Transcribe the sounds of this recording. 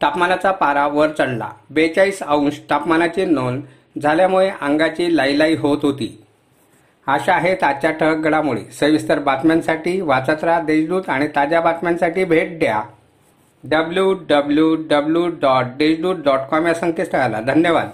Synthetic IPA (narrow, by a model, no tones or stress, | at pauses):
ʈ̪apmanat͡sapaɾaʋəɾt͡səɽla̰bet͡ɕaiːsaũnɕʈ̪apmanat͡ɕiːnon | d͡zʱaljamuɭeʔəŋɡat͡ɕiːlajlaiɦot̪ɦot̪ḭː | aɕaɦet̪at͡ɕaʈʰəɡəɽamuɭḛsəʋist̪əɾbat̪mansaʈiːʋat͡sat̪ɾad̪ed͡ʑɖ̪uːt̪aɽ̃it̪ad͡ʑjabat̪mansaʈiːbʱeʈ̚ɖ̪ja | ɖəbljuɖəbljuɖəbljuɖɔʈ̚ɖ̪ed͡ʑɖ̪uːt̪̚ɖɔʈkɔmjasə̃ŋkesʈəɡala̰d̪ʱənjəʋa̰d̪